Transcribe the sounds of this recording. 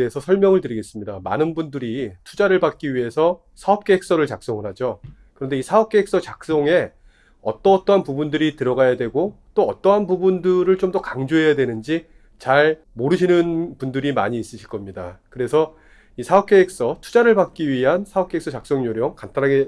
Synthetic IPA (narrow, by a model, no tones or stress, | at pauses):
esʰʌsʰʌɭmjʌŋɯɭtɯɾiɡe̞s͈ɯmɲidama̰nɯnbundɯɾitʰu̥d͡ʑaɾɯɭbat̚k͈iɥiɦe̞sʰʌ | sʰaʌp̚k͈eek̚s͈ʌɾɯɭt͡ɕak̚s͈oŋɯɭɦad͡ʑo | kɯɾʌnde̞isʰaʌp̚k͈eeks͈ʌt͡ɕak̚s͈oŋe̞ | ʌ̰t͈ʌt͈ʌɦanpubundɯɾitɯɾʌɡajadwe̞ɡot͈oʌt͈ʌɦanpubundɯɾɯɭt͡ɕomdʌokaŋd͡ʑoɦe̞jadwe̞nɯnd͡ʑi | t͡ɕaɭ | moɾɯɕʰinɯnpundɯɾimaɲiːs͈ɯɕʰiɭk͈ʌmɲida̰kɯɾe̞sʰʌ | isʰaʌp̚k͈eek̚s͈ʌtʰud͡ʑaɾɯɭbak̚k͈iɥiɦansʰaʌp̚k͈e̞eks͈ʌt͡ɕak̚s͈oŋɲoɾjʌŋkantʰaɾaɡe